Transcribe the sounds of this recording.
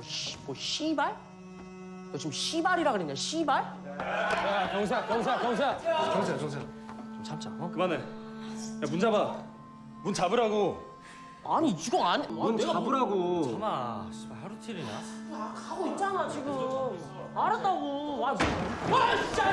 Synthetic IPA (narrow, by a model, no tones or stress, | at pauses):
ɕmʌɕʰibaɭ | kot͡ɕomɕʰibaɾiɾaɡɯɾenɲːaɕʰibaɭ | jakjʌŋs̬ʰakjʌŋsʰakjʌŋs̬ʰajʌŋsʰakjʌŋsʰat͡ɕomt͡ɕʰamt͡ɕ͈ʰakɯmane | jamund͡ʑaba | munt͡ɕabɯɾɦaɡo | aɲit͡ɕuɡʌaɲaneabɯɾaɡoamaɕʰibaɭhaɾutʰiɾiɲa̰jakaɡoit̚t͡ɕ͈anat͡ɕiɡɯm | aɾat̚t͈aɡoa